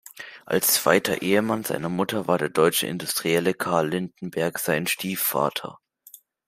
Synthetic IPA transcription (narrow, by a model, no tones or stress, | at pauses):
ʔa̰lst͡sv̥a̰ɪtʰɐ̰ʔeːəmanza̰ɪnɐmʊtʰɐvaːɐdeːɐdɔʏt͡ʃə̰ʔɪ̰ndʊstʁ̥iɛləkʰaːɐlːɪndn̩bɛɐkz̥aɪnʃtiːfa̰ːtʰɐ̰